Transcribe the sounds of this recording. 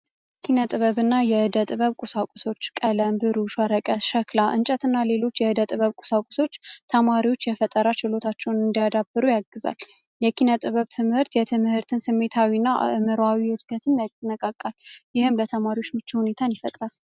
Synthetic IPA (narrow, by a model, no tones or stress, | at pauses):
kʰinət̪ʼɨβəβɨnːajɛɨd̪ət̪ʼɨβəβkʼusakʷʼuso̞t͡ʃːkʼələmbɨɾuʃwaɾəkʼəʃəklaʔɨnt͡ʃʼət̪ʰɨnːale̞lo̞t͡ʃːjɛɨd̪ət̪ʼɨβəβkʼu̥sakʷʼʊ̥so̞t͡ʃːt̪ʰəmaɾiwo̞t͡ʃːjɛfət̪ʼəɾat͡ʃɪlo̞t̪ʰat͡ʃːɛwnɨnd̪ijad̪abːɨɾujaɡːɨza̰l | jɛkʰinət̪ʼɨβəβt̪ʰɨmhɨɾt̪jɛt̪ʰɨmhɨɾt̪ʰɨnsɨmːe̞t̪ʰawinːaʔʔɨmɨɾawiɨt̪ɡət̪ʰɨmjanəkʼakʼːaljɪhɨmlət̪ʰəmaɾio̞t͡ʃːmɨt͡ʃːihune̞t̪ʰanjifət̪ʼɾal